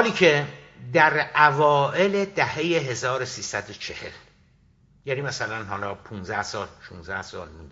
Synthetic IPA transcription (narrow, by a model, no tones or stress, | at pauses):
ɒːliːcʰe | d̪æɾʔævɒːʔe̞led̪æhejeɦe̞zɒːɾosiːsæd̪ot͡ʃʰe̞he̞̰l | jænimæsælænɦɒlɒːpʰunzæhsɒːlʃunzæhsɒːlmund̪